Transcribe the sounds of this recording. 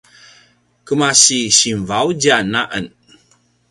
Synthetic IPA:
kəmasiɕinvawd͡ʒanaʔən

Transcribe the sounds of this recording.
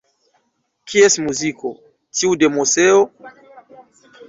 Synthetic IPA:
kʰiesmuziko | tiudemoseo

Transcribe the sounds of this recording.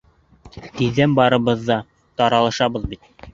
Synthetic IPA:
t̪iðːænbɑɾɤ̆βɤðːɑ | t̪ɑɾɑlˠɑʃɑβɤðbit̪̚

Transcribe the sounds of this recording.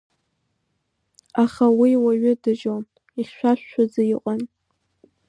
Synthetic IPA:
aχawiwaɥʊdɨd͡ʒom | iχʲʃʷᶣaʃʷᶣːad͡zaiqʷʼan

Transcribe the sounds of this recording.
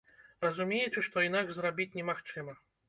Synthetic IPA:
rɐzumʲejɛt͡ʂɨʂt̪ɔinaɡʐzrabʲit͡sʲnʲɛmaxt͡ʂɨmɐ

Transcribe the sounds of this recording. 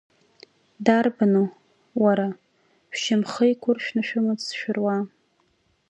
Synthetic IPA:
darbano | waɾa | ʃʷᶣʃɪmχəjkʷʰʊrʃᶣnaʃᶣʊmɨzsʃᶣʊrwa

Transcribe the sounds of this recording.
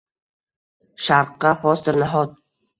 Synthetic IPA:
ʃaɾqːɑχɒsd̪ɪɾnaɦɔt̪̚

